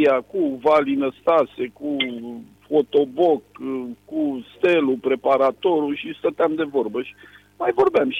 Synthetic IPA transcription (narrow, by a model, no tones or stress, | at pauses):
akuvalinəst̪ase̞ku | fo̞t̪o̞bo̞kkust̪e̞lupɾe̞paɾat̪o̞ɾuʃist̪ət̪eamd̪e̞vo̞rbəʃi̥ | majvo̞rbeamʃ